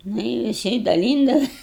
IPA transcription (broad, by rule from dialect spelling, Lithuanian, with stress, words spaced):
ˈnʊ ɪ ʋʲɪˈsʲɪ dɐˈlʲiːndɐʋɐs